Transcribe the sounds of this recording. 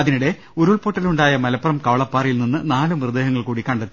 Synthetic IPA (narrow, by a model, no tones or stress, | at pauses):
ɐðinuɽe̞ | uɾuɭpoːʈːɐluɳɖaːjɐmɐlɐpːɐrɐmkɐʋɐɭɐpːaːrijilninːɨnaːlumrɨd̪eːɦɐŋːɐɭkuːɽikɐɳɖɐt̪ːi